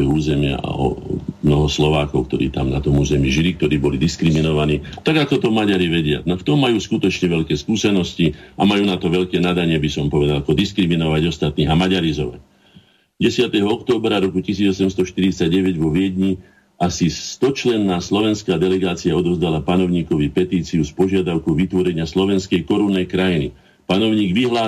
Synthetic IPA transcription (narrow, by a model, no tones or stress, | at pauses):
juuːzɛmɪa̰a̰ɔ̰mnɔɦɔslɔʋaːkɔʊk̚t̪ɔɾḭːt̪amnat̪ɔmuːzɛmiʒilik̚t̪ɔɾiːbɔlid̪iskɾiminɔʋaniːt̪aɡakɔt̪ɔmaɟaɾiʋɛɟɪa̰naft̪ɔmːajuːskut̪ɔt͡ʃɲɛʋɛʎkɛːskuːsɛnɔsciamajuːnat̪ɔʋɛʎkɛːnad̪aɲɪɛbisɔmpɔʋɛd̪alakɔd̪iskɾiminɔʋaɟɔst̪at̪niːɦamaɟaɾizɔʋa̰c̚ | ɟɛsɪat̪ɛɦɔɔkt̪ɔːbɾaɾɔkucisiːd͡zɔsɛmst̪ɔʃt̪iɾit͡saɟɟɛʋɛɟʋɔʋɪɛd̪ɲi | ʔasist̪ɔt͡ʃlɛnːaːslɔʋɛnskaːd̪ɛlɛɡaːt͡siaɔd̪ɔʋzd̪alapanɔʊɲiːkɔʋipɛt̪iːt͡siuspɔʒɪad̪aʊkɔʋit̪ʋɔɾɛɲɪaslɔʋɛnskɛjkɔɾunːɛjkɾajinḭ | panɔʊɲiːɡʋiɦlaː